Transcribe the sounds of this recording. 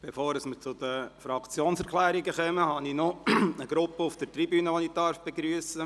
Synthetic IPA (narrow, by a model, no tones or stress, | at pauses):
b̥efoːɾəsmət͡sʊd̪əfɾɑkt͡sjoːnsɛɾkʰlæːɾiɡəχɛməhɑninɔəɡ̥ɾʊpːəufd̥̪ət̪ribyːnəʋonid̥̪ɑɾfb̥eɡɾyəsə